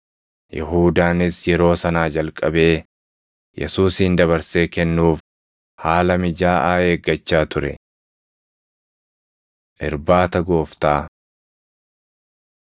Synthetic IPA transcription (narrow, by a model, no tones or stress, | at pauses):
jɛ̰ɦuːd̪aːnɪsjɛɾo̞ːsɐnaːd͡ʒɐlkʼːɐbe̞ː | jɛ̰suːsind̪ɐβɐɾse̞ːkɛnːuːf | haːlɐmɪd͡ʒaːʔaːheːɡːɐt͡ʃːaːt̪ʊɾɛ̰ | ʔɪ̰ɾbaːt̪ɐɡo̞ːft̪aː